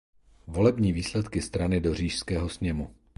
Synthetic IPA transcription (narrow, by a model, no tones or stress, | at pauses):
vo̞lɛbɲiːviːslɛt̪kɪst̪ɾanɪdo̞r̝iːʃskɛːɦo̞sɲɛmu